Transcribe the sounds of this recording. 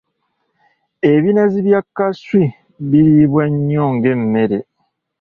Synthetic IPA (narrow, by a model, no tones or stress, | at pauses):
e̞βinaziβjakːaswi | βiɾiβwaɲːoːŋɡe̞mːe̞ɾe̞